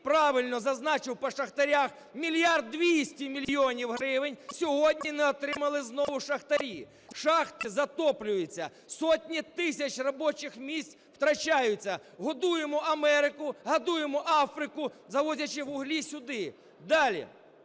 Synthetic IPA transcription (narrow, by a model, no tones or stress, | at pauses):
pɾɑʋɪlʲnɔzɐznɑt͡ʃɪwpɔʃɐxt̪ɐɾʲax | mʲilʲjard̪ːʋʲisʲtʲimʲilʲjɔnʲiwɦɾɪʋɪnʲsʲɔɦɔdʲnʲinɛɔt̪ɾɪmɐlˠɪznɔʋʊʃɐxt̪ɐɾʲi | ʃɑxt̪zɐt̪ɔplʲʊjet͡sʲːɐ̰ | sɔtʲnʲit̪ɪsʲɐt͡ʃrɔbɔt͡ʃɪxmʲisʲtʲ | w̥t̪ɾɐt͡ʃajʊt͡sʲːɐɦɔd̪ujemɔʔɐmɛɾɪkʊɦɐd̪ujemɔʔɑfɾɪkʊzɐʋɔdʲɐt͡ʃɪʋʊɦlʲisʲʊd̪ɪ | d̪ɑlʲḭ